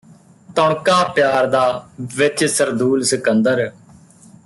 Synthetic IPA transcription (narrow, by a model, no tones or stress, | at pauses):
t̪ɔːɳkaːpjaːɾd̪aːʋɪt͡ʃsəɾd̪uːlsəkənd̪əɾ